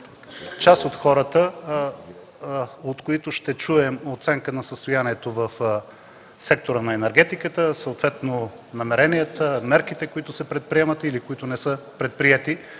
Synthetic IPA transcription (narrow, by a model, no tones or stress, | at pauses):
t͡ʃasot̪xɔɾət̪ə | ot̪koit̪ʊʃt̪ɛt͡ʃuɛmot̪sɛŋkənɐsəst̪ojaniɛt̪ovəf | sɛk̚t̪oɾənɐɛnɛɾɡɛt̪ikət̪əsəot̪vɛt̪no | nɐmɛɾɛniət̪əmɛɾkit̪ɛkoit̪ʊsɛpɾɛt̪̚pɾiɛmət̪ilikoit̪ʊnɛsəpɾɛt̪̚pɾiɛt̪i